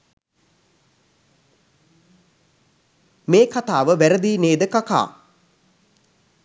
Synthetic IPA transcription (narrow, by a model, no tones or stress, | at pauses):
meːkat̪aːʋəʋæɾəd̪iːneːd̪əkaka̰ː